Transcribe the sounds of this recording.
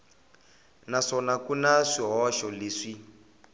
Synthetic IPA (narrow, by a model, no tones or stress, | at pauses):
naʂɔnakunaʂiɦɔʃɔleːʂi